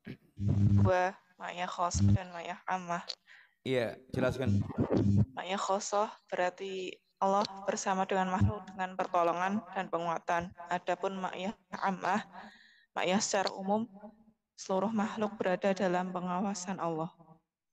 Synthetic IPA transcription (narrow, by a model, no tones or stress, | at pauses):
dua | ma̰ʔjahχɔsɔhd̥anmaʔjahamah | ijad͡ʒəlaskan | ma̰ʔjahχɔsɔhb̥əɾʔart̪i | ʔɔlːɔhb̥ərsamadəŋanmahlʊk̚dəŋanpərt̪ɔlɔŋand̥anpəŋuat̪anʔad̥apʊnma̰ʔjaa̰mʔah | ma̰ʔjahsə̥t͡ʃaɾa̰umʊm | səluɾʊhmahlʊk̚b̥əɾadadalampəŋawasanɑlːɔh